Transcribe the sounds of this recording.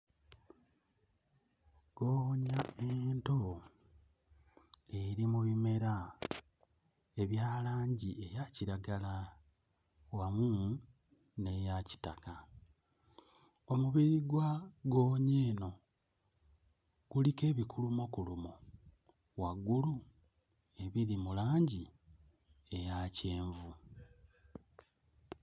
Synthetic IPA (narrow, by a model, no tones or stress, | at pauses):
ɡ̥oːɲaento̞ | eɾimuβime̞ɾa | e̞βjaːlaːɲɟiʔe̞jaciɾaɡala | wamuː | ne̞jaci̥ta̰ka | o̞muβiɾiɡwaɡo̞ːɲeːno̞ | ɡ̥ulike̞ːβikʰulumokulumo | waɡulu | e̞βiɾimulaːɲɟi | e̞jace̞ːɱvu